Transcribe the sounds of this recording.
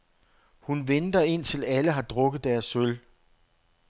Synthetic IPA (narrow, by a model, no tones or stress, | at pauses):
hunʋend̥ɐe̝n̰t͡sʰe̝læləɦɑ̈d̥ʁɔ̽ɡ̥ð̞̩ˠd̥æɐsøl